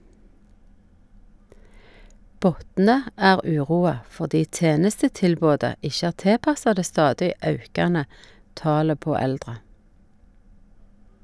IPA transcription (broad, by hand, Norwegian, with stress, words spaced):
ˈbɔtnə ˈæːʁ ˈʉːˌʁuːɑ fɔʁˈdiː ˈteːnəstətɪlˌboːdə ˈɪʃə ˈæːʁ ˈteːˌpɑsɑ ˈdeː ˈstɑːdɪ ˈɑʉkɑnə ˈtɑːlə ˈpoː ˈɛldʁə